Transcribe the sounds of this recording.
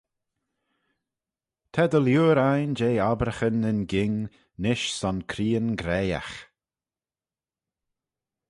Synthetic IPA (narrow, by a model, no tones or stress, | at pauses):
t̪ʰɛd̪əljuːɾajnd͡ʒeːabɾəxənənɡɪŋ | nɪʃsɔnkʰɾiːənɡɾeja̰x